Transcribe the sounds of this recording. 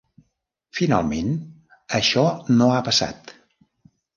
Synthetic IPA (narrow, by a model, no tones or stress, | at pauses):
fina̰lˠmen | əʃɔnoapəsa̰t̪